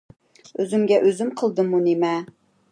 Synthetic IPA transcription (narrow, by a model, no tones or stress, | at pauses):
øzymɡʲɛʔøzymqʰəlˠd̪ɨmunemɛ